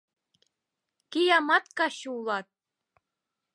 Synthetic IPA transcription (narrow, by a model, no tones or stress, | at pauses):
kijɑmɑt̪kɑɕuulˠɑt̪̚